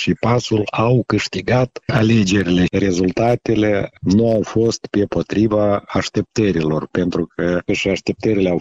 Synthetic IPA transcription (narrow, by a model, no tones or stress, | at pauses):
ʃipasulawkɨʃt̪iɡat̪ale̞d͡ʒe̞ɾile̞re̞zult̪at̪e̞le̞nuawfo̞st̪pe̞po̞t̪ɾivaːʃt̪e̞p̚t̪əɾilo̞rpe̞nt̪ɾukʰəʃiaʃt̪e̞p̚t̪əɾileaw